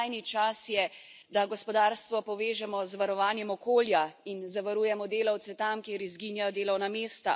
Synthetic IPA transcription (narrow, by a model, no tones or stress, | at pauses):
jnit͡ʃasjɛ | d̪aɡɔspɔd̪aːɾst̪ʋɔpɔʋeːʒɛmɔzʋaɾɔʋaːnjɛmɔkoːljainzaʋaɾuːjɛmɔd̪eːlawt̪sɛt̪amkeːɾizɡiːnjajɔd̪eːlɔwnameːst̪a